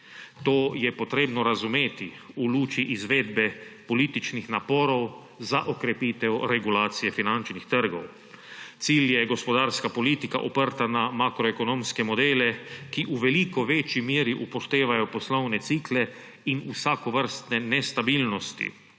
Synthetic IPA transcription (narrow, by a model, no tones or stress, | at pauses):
t̪oːjɛpot̪ɾeːbnɔɾazumeːt̪i | uluːt͡ʃiʔizʋeːd̪̚bɛpoliːt̪it͡ʃnixnapɔːɾɔw | zaʔokɾɛpit̪ɛwɾɛɡulaːt̪sijɛfinant͡ʃnixt̪əɾɡɔw | t̪siːljɛɡospɔd̪aːɾskapoliːt̪ika̰ʔopəɾt̪anamakɾɔekonõmskɛmɔd̪eːlɛkiʔuʋɛlikɔʋet͡ʃjimjeːɾiʔupɔʃt̪eːʋajɔpɔslownɛt̪siːklɛ | inusakɔʋəɾst̪nɛnɛst̪abiːlnɔst̪ḭ